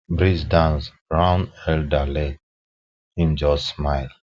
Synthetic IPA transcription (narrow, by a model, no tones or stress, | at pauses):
bɹisdãns | ɹãʊ̃nɛldalek | ĩnd͡ʒɔsmaɪl